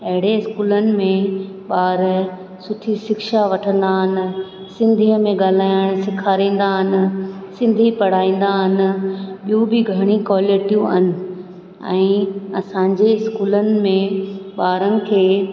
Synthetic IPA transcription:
ɐɦɪɽeɪskuːlənɪ̆mẽ | ɓaːɾ | sʊʈʰisɪkʃaʋɐʈʰə̃nd̪aɦɪnɪ̆ | sɪ̃nd̪ʱiəmẽɡaːl̤aːjəɽ̃sɪkʰaːɾĩːn̆d̪aɦɪnɪ̆sɪ̃nd̪ʱipɐɽ̤aːĩːn̆d̪aɦɪnɪ̆ɓijũbɪɡʱɐɽ̃ikaːleʈuɐ̰nɪ̆ | ɛ̰̃ːɐsãːɲd͡ʑeɪskuːlənɪ̆mẽɓaːɾənɪ̆kʰeː

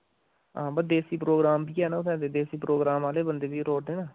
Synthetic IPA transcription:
ɦãːbəd̪eːsiːpɾoːɡɾaːmbiːɦɛːnãːʊsɛ̃ːd̪eːd̪eːsiːpɾoːɡɾaːmaːleːbənd̪eːbiːɾoːɽd̪eːnaː

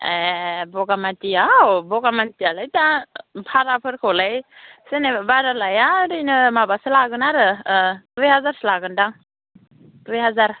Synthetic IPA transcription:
ebɔɡamatijawbɔɡamantijalajtapʰaɾapʰɯɾkʰɔlajsenebaɾalajaɾɯjnɯmabasɯlaɡɯnaɾɯdujɦazaɾslaɡɯndaŋ | dujɦazaɾ

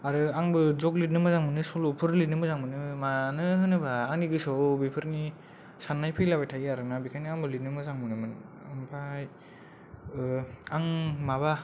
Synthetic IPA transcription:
aɾɯaŋbɯzɔklit̚nɯmɯzaŋmɯnɯsɔlɔpʰɯɾlitnɯmɯzaŋmɯnɯmanɯɦɯnɯbaːŋniɡɯsɔbipʰɯɾni | sanːajpʰɯjlabajtʰajiaɾɯnabikʰaniaŋbɯlit̚nɯmɯzaŋmɯnɯmɯnɯmpʰaj | aŋmaβa

